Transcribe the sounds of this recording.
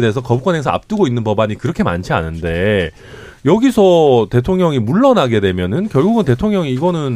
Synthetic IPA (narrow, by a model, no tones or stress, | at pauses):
deesʰʌkʌbukwʌnɦesʰʌa̰p̚t͈ɯɡoinːɯnpʌbaɲikɯɾʌkʰe̞ma̰nt͡ɕʰia̰nɯnde̞ | jʌɡisʰʌte̞tʰoŋɲʌŋimuɭːʌnaɡe̞dwe̞mjʌnɯnkjʌɭɡuɡɯnte̞tʰoŋɲjʌŋiːɡʌnɯn